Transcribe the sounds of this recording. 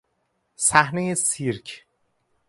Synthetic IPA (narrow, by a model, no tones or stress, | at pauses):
sæhnejesiɾcʰ